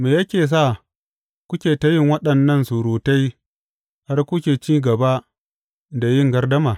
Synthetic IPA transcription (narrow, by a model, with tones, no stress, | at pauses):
meː˨jɐ˦kʲeː˨s̬a˦˨ | kʷʊ˦kʲeː˨tɐ˦jɪ˦˨ŋwɐ˦ɗɐ˨nːɐ˦˨nsu˨ɾoː˨ta˦j | ha˦rkʷʊ˦kʲeː˨t͡ʃiː˦ɡɐ˨ba˦ | da˨jɪ˦˨ŋɡɐ˦rdɐ˦maː˨